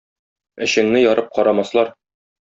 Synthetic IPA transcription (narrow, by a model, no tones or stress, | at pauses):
ɘ̆ɕɘ̆ŋnɘjɒɾɤp̚qɒɾɑmɑslˠɑɾ